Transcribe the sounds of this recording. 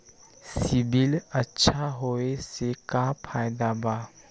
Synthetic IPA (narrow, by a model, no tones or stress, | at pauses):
sibilətːʃʰaɦoesekapʰajd̪aba